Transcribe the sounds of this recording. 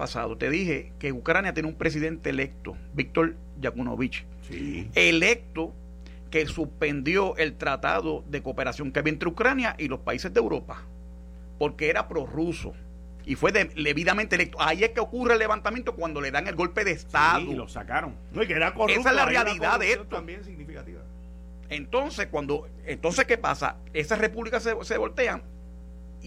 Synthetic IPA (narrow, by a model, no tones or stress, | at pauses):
a̰sa̰ðo̞t̪e̞ðihe̞ke̞ukɾanjat̪jeneumpɾe̞s̬iðẽ̞nt̪e̞le̞k̚t̪o | bik̚t̪o̞ɾ | jakuno̰βit͡ʃ | e̞le̞k̚t̪o̞ | ke̞suspe̞nd̪jo̞ʔe̞lt̪ɾat̪a̰ðo̞ðe̞koːpe̞ɾasjo̞ŋkeaβient̪ɾeukɾanjaʔilo̞spaise̞zðe̞wɾo̞pa | po̞ɾke̞eɾapɾo̞ruso̞̰ | ifwe̞ðele̞βiðamẽnt̪elek̚t̪oaieske̞okurelːe̞βant̪amjent̪okwand̪o̞le̞ðaŋe̞lɣo̞lpe̞ðest̪aðulosa̰kaɾoŋnokeeɾakoesaezlarrealiðaðeeot̪ombjensiɡnifikat̪ḭβa̰ | e̞nt̪o̞nse̞shkwand̪o̞ | ent̪o̞nse̞ske̞pa̰sa̰ | e̞sasre̞puβlikasese̞βo̞lt̪e̞aŋ